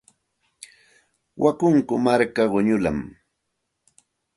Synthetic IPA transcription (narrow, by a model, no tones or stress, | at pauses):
wʔakʊŋkʊmaɾkaɢʊɲʊla̰m